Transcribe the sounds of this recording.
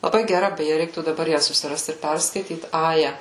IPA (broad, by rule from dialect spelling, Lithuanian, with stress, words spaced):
lˠɐˈbɐɪ ɡʲɛˈrɐ bʲɛˈjɛ ˈrʲɛɪktuː dɐˈbɐr ˈjæː sʊsʲɪˈrɐst ɪr ˈpʲɛrskɐɪtʲiːt ˈɑːjɛ